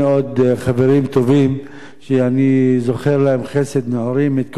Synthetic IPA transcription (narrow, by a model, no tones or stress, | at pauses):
o̞d̪χave̞ʁimt̪o̞vim | ʃeanizo̞χe̞ʁlahe̞mχe̞se̞d̪neoɾimet̪̚k